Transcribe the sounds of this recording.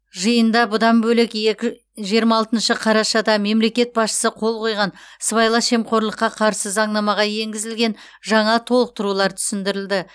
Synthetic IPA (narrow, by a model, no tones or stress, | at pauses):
ʒəjənd̪ɑbʊd̪ɑmbɵlɪkekʲɪ | ʒijəɾmɑːlˠt̪ənʃəqʰɑɾɑʃɑd̪ɑme̞mle̞kʲe̞t̪̚bɑsʃə̥səqʰo̞lˠqʰo̞jʁɑnsβɑjlˠɑʃe̞mqo̞ɾlˠəqːɑqʰɑɾsəzɑɴnɑmɑʁɑje̞ŋɡʲɪzɪlɡʲe̞n | ʒɑɴɑt̪ʰo̞lˠəq̚t̪ʊɾulˠɑɾt̪ʰʏ̥sɪnd̪ɪɾɪld̪ɪ